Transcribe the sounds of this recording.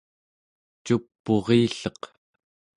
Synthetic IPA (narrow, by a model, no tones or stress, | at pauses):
t͡ʃupːoʁiːɬʌq